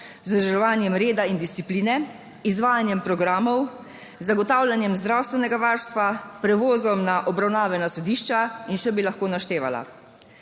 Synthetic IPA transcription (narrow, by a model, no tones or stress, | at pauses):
zd̪ʒʒɛʋaːnjɛmɾeːd̪aind̪ist̪ipliːnɛ | izʋaːjanjɛmpɾɔɡɾaːmɔw | zaɡɔt̪aːwljanjɛmzd̪ɾaːwst̪ʋɛnɛɡaʋaːɾst̪ʋapɾɛʋoːzɔmnaʔɔbɾawnaːʋɛnasɔd̪iːʃt͡ʃainʃɛbilaxkoːnaʃt̪eːʋa̰la̰